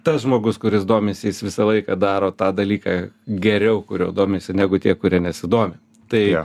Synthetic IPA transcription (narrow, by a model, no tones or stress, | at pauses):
t̪ɐsʒmoːɡʊskʊɾʲɪsd̪oːmʲesʲɪjɪsʋʲɪsɐlˠɐɪkɐd̪ɑːɾoːt̪ɑːd̪ɐlʲiːkɑːɡʲɛɾʲɛʊkʊɾʲoːd̪oːmʲesʲɪnʲæːɡʊt̪ʲiɛkʊɾʲiɛnʲɛsʲɪd̪oːmʲɪ | t̪ɐɪ